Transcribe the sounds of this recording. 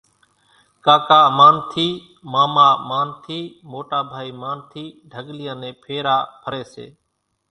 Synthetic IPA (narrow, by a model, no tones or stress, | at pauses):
kaːkaːmaːnt̪ʰiː | maːmaːmaːnt̪ʰiːmoːʈaːbʱaːiːmaːnt̪ʰiːɖʱəɡlɪjãːnẽːpʰeːɾaːpʰəɾeːsḛː